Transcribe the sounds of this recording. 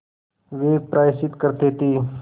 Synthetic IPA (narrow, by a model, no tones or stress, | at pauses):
ʋeːpɾʔaːsɪt̪kəɾt̪eːt̪iː